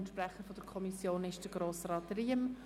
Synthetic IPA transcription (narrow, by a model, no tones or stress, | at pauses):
nʃpɾɛχəfɔd̥əɾkʰɔmisjoːnɪʃd̥əɡɾoːsɾɑːtriːəm